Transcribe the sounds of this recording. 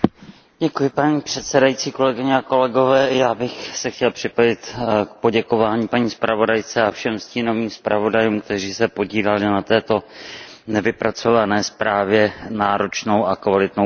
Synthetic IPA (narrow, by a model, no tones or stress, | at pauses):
ɟɛkujɪpaɲiːpr̝̥ɛt̪sɛdajit͡siːkolɛɡɪɲɛako̞lɛɡo̞vɛːjaːbɪxsɛxcɛlpr̥ɪpojɪt̪k̚po̞ɟɛko̞vaːɲiːpaɲiːspɾavo̞dajt͡sɛafʃɛmsciːno̞viːmspɾavo̞dajumk̚t̪ɛriːsɛpo̞ɟiːlalɪnat̪ɛːt̪o̞nɛvɪpɾat͡so̞vanɛːspɾaːvjɛnaːɾo̞t͡ʃno̞wʔakvalɪt̪no